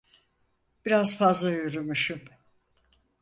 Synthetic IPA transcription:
b̥iɾazfazlˠajyɾumyʃum

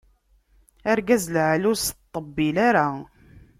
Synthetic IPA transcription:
aɾɡæzlʕlʊst̪ˤːəbːilaɾa

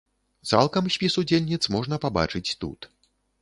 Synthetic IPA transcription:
t̪sa̰lˠkɐmsʲpʲisud͡zʲelʲnʲit̪smɔʐnɐpaba̰t͡ʂɨt͡sʲt̪ṵt̪

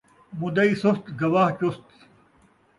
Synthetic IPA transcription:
mud̪ɐisust̪ɡɐwaːht͡ɕust̪

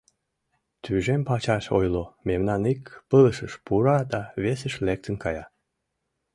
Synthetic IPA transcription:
t̪ʰyʒempɑt͡ɕɑʃo̰jlomemnɑnikpələʃəʃpuɾɑd̪ɑβesəʃlek̚t̪ənkɑjɑ

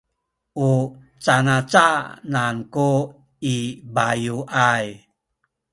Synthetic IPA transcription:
u | t͡sanat͡sananku | ibajuʔaj

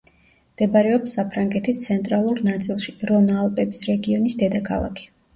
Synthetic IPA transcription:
md̪̥ɛbaɾɛɔpsːapʰɾaŋɡɛt̪ʰist̪sʰɛnt̪ʼɾalˠuɾnat̪sʼilˠʃiɾɔnalˠpʼɛbisɾɛɡiɔnisd̪ɛd̪akʰa̰lˠa̰kʰi̥

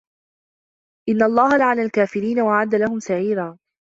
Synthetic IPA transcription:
ʔɪnːaʔlˤːɑːɦalaʕalalkaːfɪɾiːnawaʕad̪ːalaɦʊmsaʕiːɾaː

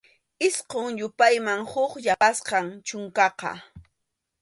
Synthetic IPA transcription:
ɪsqoŋjʊpajmaŋhʊχʎaasqɑŋt͡ʃʊŋkɑqɑ̰

